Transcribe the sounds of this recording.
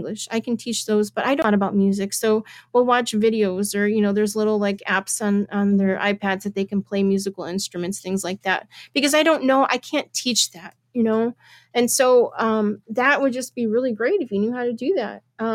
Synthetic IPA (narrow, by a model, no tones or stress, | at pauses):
ŋɡlɨʃa̰ɪkʰn̩tʰit͡ʃðoʊzb̥ʌɾʔaɪɾõɾɨbaʊt̚mjʉzɨksoʊwilˠwɑt͡ʃvɪɾioʊzə˞jɨñoʊðə˞zlɪɾl̩ˠlaɪkæ̰psñ̩n̩ðə˞ʔa̰ɪpʰædzðɨt̪̚ðeɪkn̩pʰl̥eɪmjʉzɨkl̩ˠɪ̃nstɹ̥ɨmɨ̃ntsθɪ̃ŋzlaɪk̚ðæ̰t̚b̥ɨkʌzaɪɾõʊ̃nːoʊʔa̰ɪkʰæ̃ntʰit͡ʃðæt̚jɨnoʊ | ɨ̃nsoʊʌ̃mðɨʔ̚wəd̚d͡ʒʌsb̥iɹɪlˠiɡɹeɪɾɨfjɨnjʉɦaʊɾɨdɨðæ̰t̚ʌ̃